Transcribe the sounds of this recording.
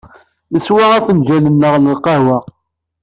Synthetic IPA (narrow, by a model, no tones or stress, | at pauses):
nəswaʁæθənd͡ʒælənːəʁləlqɑwəʁ